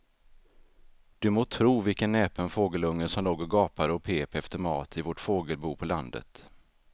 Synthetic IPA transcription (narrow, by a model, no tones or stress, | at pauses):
d̪̥ɵmoːt̪ʰɾuːvɪlkənːɛːpənfoːɡəlɵŋːəsɔmloːɡəɾɡɑːpaɾəɔpʰeːpɛft̪əɾmɑ̰ːt̪ʰɪvɔʈfoːɡəlbuːpʰɔland̪ə̰t̪